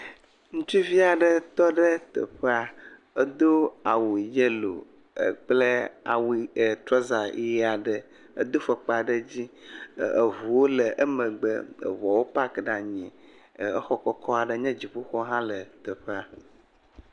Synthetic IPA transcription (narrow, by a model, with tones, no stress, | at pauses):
ŋũ˦t͡ʃi˦vi˦a˨ɖə˨t̪ɔ˦ɖə˦t̪ə̰˨ɸə˦a˨ | ə˦d̪o˦a˨wu˨je˦lo̰˨ | ə̰˦k͡plə˦a̰˨wi˨t̪ɾɔ˦za˨˦ɛ˦a˨ɖə˨ | ə˦d̪o˦fə˨k͡pa˨ɖə˦d͡ʑi˦˨ə̰˨vu˨wo˦lə˨ʔə˦mə̃˨ɡ͡bə̰˦˨vɔ˨wo˦pa˦kə˨ɖa˨ɲɛ̃˨ | ə˦xɔ˦kɔ˦kɔ˦a˨ɖə˦ɲɛ̃˦d͡ʑi˨ɸu˦xɔ˦ɦã˦lə˨t̪ə˨ɸɛ˦a˨